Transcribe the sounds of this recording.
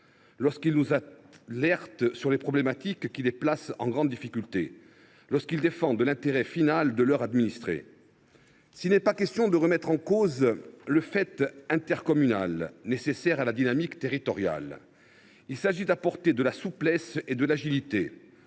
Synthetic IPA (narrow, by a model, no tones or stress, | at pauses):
lɔʁskilnuzalɛʁt̪syʁlepχɔblemat̪ikːileplasɑ̃ɡʁɑ̃d̪ːifikʲylt̪ḛ | lɔʁskild̪efɑ̃d̪əlɛ̃t̪eʁɛfinald̪əlœʁad̪minist̪χḛ | silnɛpakʲɛst̪jɔ̃d̪əʁəmɛt̪χɑ̃kozləfɛt̪ɛ̃t̪ɛʁkɔmyna̰lnesesɛʁalad̪inamikt̪eʁit̪ɔʁja̰l | ilsaʒid̪apɔʁt̪ed̪əlasuplɛsed̪əlaʒilit̪e